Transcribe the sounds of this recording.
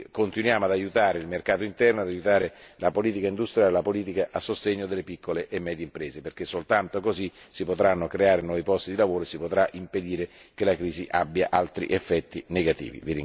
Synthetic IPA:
kont̪inwjaːmoad̪ajut̪aːɾeilmerkaːt̪oint̪ɛrnoad̪ajut̪aːɾelapoliːt̪ikaind̪ust̪ɾijaːlelapoliːt̪̬ikaʔasːost̪eɲːod̪elːepikːoleʔemːɛːd̪jeimpɾeːzeperk̟esːolt̪ant̪okozisipot̪ɾanːokɾeaːɾenwɔːvipɔst̪id̪ilavoːɾoesipot̪ɾaʔimped̪iːɾekelakɾiːziʔabːja̰ʔalt̪ɾḭʔefːɛt̪ːineɡat̪ḭːvḭviɾiŋ

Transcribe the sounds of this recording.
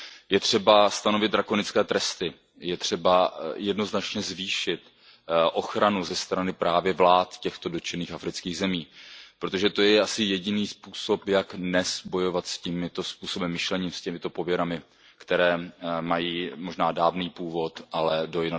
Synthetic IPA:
jɛt̪r̝̥ɛbast̪ano̞vɪd̪̚dɾako̞nɪt͡skɛːt̪ɾɛst̪ɪ | jɛt̪r̝̥ɛbajɛdno̞znat͡ʃɲɛzviːʃɪt̪ | ʔo̞xɾanuzɛst̪ɾanɪpɾaːvjɛvlaːt̪cɛxt̪o̞do̞t͡ʃɛniːxafɾɪt͡skiːɣzɛmiːpɾot̪oʒɛt̪o̞jɛʔasɪjɛɟɪniːspuːso̞pjaknɛsbo̞jo̞vat̪scimɪt̪o̞spuːso̞bɛmːɪʃlɛɲiːmscɛmɪt̪o̞po̞vjɛɾamɪ | kt̪ɛɾɛːmajiːmo̞ʒnaːdaːvniːpuːvo̞t̪ʔalɛdo̞jɪna

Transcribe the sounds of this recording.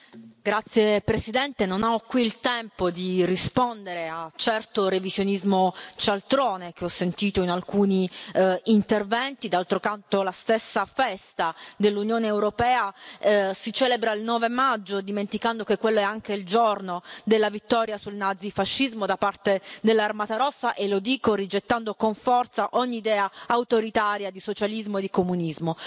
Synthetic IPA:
ɡɾat̪sːjepɾesid̪ɛnt̪enonaɔkːwiːlt̪ɛmpod̪irispond̪eɾeat͡ʃɛrt̪orevizjonizmot͡ʃalt̪ɾoːnek̟eɔsːent̪iːt̪oinalkuːniː | nt̪ervɛnt̪id̪alt̪ɾokant̪olast̪esːafɛst̪ad̪elːunjoːneːwɾopɛːa | sit͡ʃɛːlebɾailnɔːvemad͡ʒːod̪iment̪ikand̪okekːwelːoɛaŋk̟eild͡ʒornod̪elːavit̪ːɔːɾjasulnad̪zifaʃːizmod̪apart̪ed̪elːarmat̪aɾɔsːaʔelːod̪iːkorid͡ʒet̪ːand̪okoɱfɔrt̪saʔoɲːiːd̪ɛːaawt̪oɾit̪aːɾjad̪isot͡ʃalizmoed̪ːikomunizmo

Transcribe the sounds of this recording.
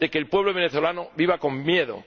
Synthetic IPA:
e̞keːlpwe̞β̞loβeneθo̞lanoβiβ̞ako̞mːje̞ðo̞̰

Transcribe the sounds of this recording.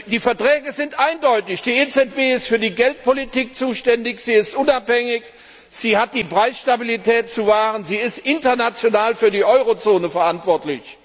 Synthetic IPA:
d̥iːfɛɐtʁ̥ɛːɡəzɪntʔaɪndɔʏtɪçd̥iːeːt͡sɛt̚b̥eːɪstfyːɐdiːɡɛlt̚politʰiːk̚t͡suːʃtɛndɪçz̥iːɪstʔʊnaphɛŋɪç | z̥iːhat̚d̥iːpʁ̥aɪsʃtabilitʰɛːtt͡suvaːʁənziːɪstʔɪntɐnat͡sjonaːlfyːɐdiːʔɔʏʁot͡soːnəfɛɐʔantv̥ɔɐtlɪ̰ç

